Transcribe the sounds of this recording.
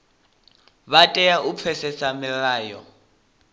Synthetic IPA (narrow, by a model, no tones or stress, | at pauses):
βatʼɛjaʔup̪fʰɛsɛsamɪraːjɔ̰